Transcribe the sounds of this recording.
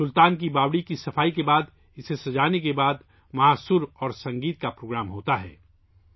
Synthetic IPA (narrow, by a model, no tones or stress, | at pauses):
sʊlt̪aːnk̬ibaːwɽikisɐfʰaːikebaːd̪ | ɪsesɐd͡ʒaːnekebaːd̪ | mɐaːsʊɾɔːɾsɐ̃ŋɡiːt̪̚kapɾoːɡɾaːmɦoːt̪aɦɛ̰ː